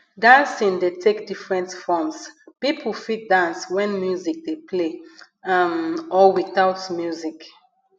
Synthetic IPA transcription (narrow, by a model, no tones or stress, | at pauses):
dãnsĩndetʰekdifɹɛ̃ntfɔmspipʰəlfit̚dãnswɛ̃nmjuzik̚depʰle | amɔwiθaʊtmjuzik